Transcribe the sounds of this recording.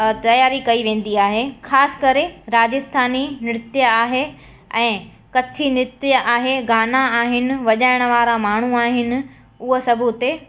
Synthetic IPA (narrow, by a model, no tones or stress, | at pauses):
t̪ɐjaːɾikɐiʋẽːn̆d̪iaːɦexaːsɪ̥kɐɾeɾaːd͡ʑɪst̪ʰaːninɪɽɪt̪jəaːɦe | ɛ̃ː | kɐt͡ɕʰinɪt̪jəʔaːɦeɡaːnaaːɦɪnɪ̆ʋɐʄaːɪɽ̃ə̆ʋaːɾamaːɳ̤uaːɦɪnɪ̆ | ʊɦosɐbʱut̪e